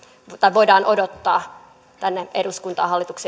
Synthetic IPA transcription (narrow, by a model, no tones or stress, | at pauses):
t̪ɑiʋoidɑːnʔodot̪ːɑː | t̪ænːeʔeduskunt̪ɑ̰ːhɑlːit̪ukse